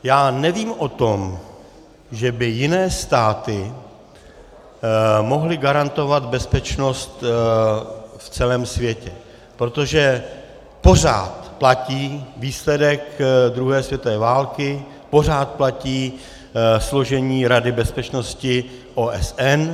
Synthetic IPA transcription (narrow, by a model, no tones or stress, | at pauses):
jaːnɛviːmʔo̞t̪o̞m | ʒɛbɪjɪnɛːst̪aːt̪ɪ | mo̞ɦlɪɡaɾant̪o̞vad̪bɛspɛt͡ʃno̞st̪ | ft͡sɛlɛːmsvjɛcɛ | pɾo̞t̪o̞ʒɛ | po̞r̝a̰ːt̪placiːviːslɛdɛkd̪ɾuɦɛːsvjɛt̪ovɛːvaːlkɪ | po̞r̝aːt̪̚placiː | slo̞ʒɛɲiːɾadɪbɛspɛt͡ʃno̞scɪʔoːʔɛsɛn